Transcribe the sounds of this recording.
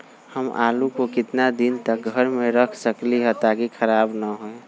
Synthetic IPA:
həma̰ːlukokɪt̪nad̪int̪ək̚ɡʱəɾmẽɾəkʰsəkliɦət̪aɡikʰəɾaːbnəɦoe

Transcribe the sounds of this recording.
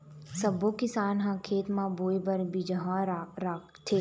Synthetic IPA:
sɐbokɪsaːnɦãkʰeːt̪mãboːibɐɾbʱid͡ʒɐɦãɾɾaːkt̪ʰeː

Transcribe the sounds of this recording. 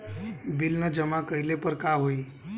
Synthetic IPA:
bɪlnəd͡ʒəmakəɪlepəɾkaɦoi

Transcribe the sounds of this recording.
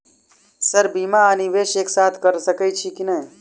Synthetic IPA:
səɾbimaəniʋeʃeksat̪ʰkəɾsəkəjt͡ʃʰikinəɦi

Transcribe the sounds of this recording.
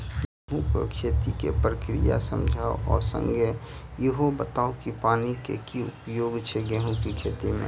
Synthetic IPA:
ɡeɦũko̰kʰeːt̪ikḛpɾəkɾḭja̰sə̃md͡ʒʱaːoʔɔːɾsə̰̃ŋɡʱe | jeɦobət̪aːokipaːnikekiʊpjoːɡt͡ʃʰeɡeɦũkikʰeːt̪imḛ̃

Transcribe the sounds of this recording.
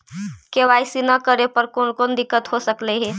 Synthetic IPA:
keʋajsinəkəɾepəɾkonkond̪ɪkːət̪ɦosəkleɦe

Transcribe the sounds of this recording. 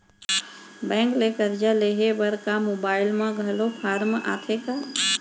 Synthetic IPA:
bɛ̃ːŋklekəɾd͡ʒaleɦebəɾkamobaːɪlmãɡʱəlopʰaɾmʔa̰t̪ʰeka

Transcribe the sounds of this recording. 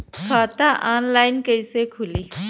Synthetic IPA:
kʰaːt̪aʔaːnlaːɪnkɐɪsekʰʊliː

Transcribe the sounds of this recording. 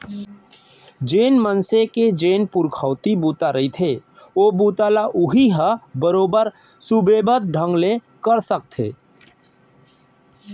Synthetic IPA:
d͡ʒeːnmənseked͡ʒeːnpuɾkʰəʊt̪ibut̪aɾəit̪ʰe | obut̪alaʔuɦiɦə̃bəɾobəɾ | subebət̪̚ɖʱə̃ŋɡle | kəɾsək̚t̪ʰḛ

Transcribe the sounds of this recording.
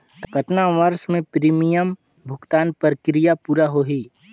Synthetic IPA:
kɐt̪naʋɐɾʃmẽpɾiːmijəm | bʱʊkt̪aːnpəɾkɾijapuːɾaɦoːɦiː

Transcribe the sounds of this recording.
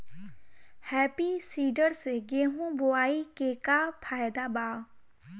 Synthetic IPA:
hɛːpisiːɖəɾseɡeːɦũboaːikeːkapʰaːjd̪abaː

